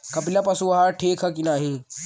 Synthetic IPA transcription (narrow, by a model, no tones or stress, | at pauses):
kɐpilɐpɐsuʋɐɦaʈʰeːkʰɐkinaːɦi